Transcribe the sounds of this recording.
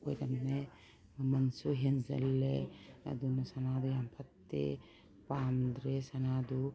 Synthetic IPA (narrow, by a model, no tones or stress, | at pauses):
ojɾɐmne | mɐnsuɦenzɐ̰lːeɐ̰d̪unɔsɐnad̪ujampʰɐt̪ːḛ | paːmd̪ɾesɐnad̪u